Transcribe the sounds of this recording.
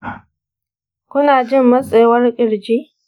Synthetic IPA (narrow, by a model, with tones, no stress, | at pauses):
kʷʊ˦naː˨d͡ʒɪ˦mːɐ˦sʼeː˨wɐ˦rkʲʼɪ˨ɽd͡ʒiː˦